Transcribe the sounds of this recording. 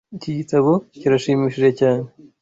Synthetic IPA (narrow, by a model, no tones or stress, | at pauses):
iciɟitaβociɾaʃiːmiːʃiʒecaːne